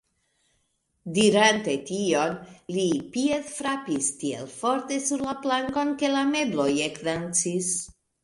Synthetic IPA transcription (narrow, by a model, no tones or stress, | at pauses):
diɾante̞tio̞nlipieθfɾapistiḛlfo̞ɾte̞suɾlaplaŋko̞nke̞lameblo̞jekdant͡sis